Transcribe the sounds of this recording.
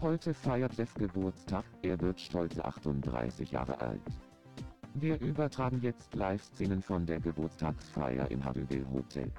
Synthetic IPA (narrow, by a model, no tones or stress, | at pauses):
hɔʏtʰəfaɪɐtd̥ɛsɡ̥əbʊɐt͡stʰaːkʔeːɐvɪɐtʃtɔlt͡səʔa̰χtʊntd̥ʁa̰ɪsɪçja̰ːʁə̰ʔa̰lt | viːɐʔyːbɐtʁ̥aːɡŋ̩jɛt͡stʰlaɪfst͡seːnənfɔndeːɐɡəbʊɐt͡stʰaːksfa̰ɪɐ̰ʔɪ̰nha̰divɛ̰lɦo̰tʰɛ̰l